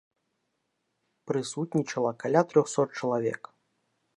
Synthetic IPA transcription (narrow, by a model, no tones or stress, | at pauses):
pɾɨsut̪ʲnʲit͡ʃɐlˠɐkalʲat̪ɾʲɔxsɔt̪̚t͡ʂɐlˠavʲɛ̰k